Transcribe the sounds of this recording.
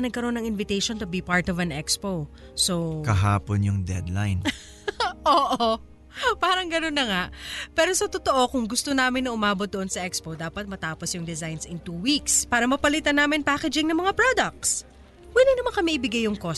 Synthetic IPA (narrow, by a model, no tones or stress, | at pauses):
nɐɡ̚kɐɾo̞nːɐŋʔɪnvɪt̪ejʃont̪ʊbipaɹt̪ɔvɐnɛkspo | sokɐɦaːponjʊŋd̪ɛ̰d̪lajn | ʔoːʔo | paːɾɐŋɡɐno̞nːɐŋaʔpɛɾo̞sɐt̪ot̪o̞ʔo̞kʊŋɡʊst̪onaːmɪnːɐʊmaːbo̞t̪̚d̪oʔo̞nsɐʔɛkspod̪aːpɐt̪̚mɐt̪aːposjʊŋd̪ɪzajnsɪnt̪uwikspaːɾɐmɐpɐlit̪ɐnaːmɪnpaːkɛd͡ʒɪŋnɐmɐŋapɹod̪ɐk̚t̪s | wɛlɪnɐmankɐmiʔɪbɪɡajːʊŋko̞